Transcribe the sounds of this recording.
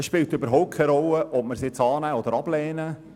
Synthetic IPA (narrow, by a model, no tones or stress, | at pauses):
ɛsʃpɪltøbəɾɦɔʊp̚kʰɛjɾɔləʔɔp̚məɾsɪt͡sɑːnæːɔd̪əɾɑblɛːnə